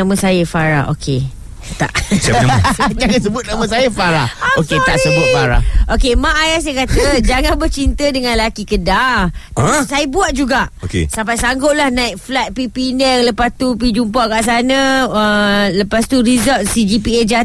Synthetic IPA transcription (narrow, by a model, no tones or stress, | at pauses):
amə̃sajəfaɾa̰o̰kʰe | t̪a̰ʔ | d͡ʒaŋas̬əbʊt̪̚naməs̬ajəfaɾaoket̪aʔsəbʊt̪̚faɾa̰okemãʔajasjakat̪əd͡ʒaŋãnbərt͡ʃint̪ədəŋãnlakikəda | sajəbuat̪̚d͡ʒuɡaʔkḛsampajsaŋɡoʔ̚lahnãik̚flat̪̚pipindɛŋləpast̪up̬id͡ʒumpaʔkaʔs̬anãələpast̪uɾizɔlt̪sid͡ʒipied͡ʒa